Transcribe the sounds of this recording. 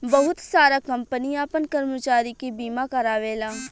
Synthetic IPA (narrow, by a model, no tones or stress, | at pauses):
bɐɦʊt̪saːɾakɐ̃mpəniaːpənkɐɾmət͡ʃaːɾikibiːmakɐɾaːʋeːlaː